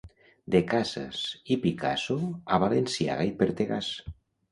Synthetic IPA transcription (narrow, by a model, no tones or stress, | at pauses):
d̪ekaza̰sipika̰soaβalensia̰ɣaipeɾt̪eɣas